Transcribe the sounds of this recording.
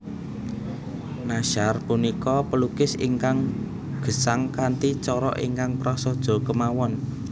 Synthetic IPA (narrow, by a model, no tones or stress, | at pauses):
naʃarpunikɔpəlukɪsḭŋkaŋ | ɡ̥ə̤saŋkant̪it͡ʃɔɾɔ̰ʔiŋkaŋpɾɔsɔd̥ʒ̥ɔ̤kəmawɔn